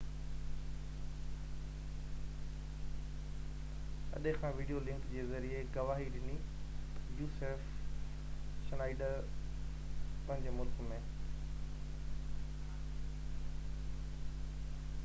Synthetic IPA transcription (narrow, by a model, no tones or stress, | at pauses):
ɐ̰ɗẽkʰãːʋiːɖijolɪ̃ŋkd͡ʑeːzɐɾiekɐʋaːɦiɗɪni | juːseːf | ʃnaːɪɖəɾ | pɐ̃ɦɪ̃ɲd͡ʑemʊlkmẽː